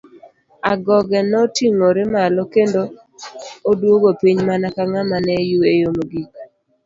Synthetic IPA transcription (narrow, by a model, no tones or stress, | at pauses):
aɡɔɡɛnɔtiŋoɾɪmalɔkendoː | dwoɡopiɲmanakaŋamanɛjuejomoɡik